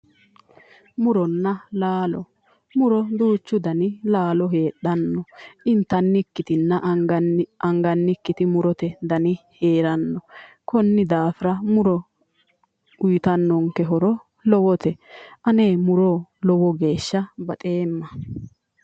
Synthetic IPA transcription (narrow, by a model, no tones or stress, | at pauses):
mʊɾɔnːɐlaːlɔ | mʊɾɔd̪uːt͡ʃːʊd̪ɐnɪlaːlɔɦe̞ːɗɐnːɔʔɪnt̪ːɐnːɪkːɪt̪ɪnːɐ | ʔɐŋɡɐnːɪkːɪt̪ɪmʊɾɔt̪ɛd̪ɐnɪheːɾɐnːɔ | kɔnːɪd̪aːfɪɾɐmʊɾɔ | ʊjɪt̪ɐnːɔŋkɛɦɔɾɔ | lɔwɔt̪ɛʔɐne̞ːmʊɾoːlɔwɔɡe̞ːʃːɐbɐt̪ʼe̞ːmːɐ